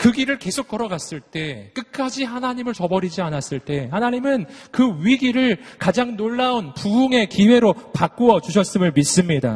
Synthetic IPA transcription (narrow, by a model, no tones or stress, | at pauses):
kɯɡiɾɯɭke̞sʰok̚k͈ʌɾʌɡas͈ɯɭt͈e̞k͈ɯk̚k͈ad͡ʑiɦanaɲimɯɭt͡ɕʌbʌɾid͡ʑianas͈ɯɭt͈e̞hanaɲimɯnkɯɥiɡiɾɯɭkad͡ʑaŋnoɭːaonpuuŋe̞kiwe̞ɾopak͈oʌt͡ɕuɕʰʌs͈ɯmɯɭmis͈ɯmɲida̰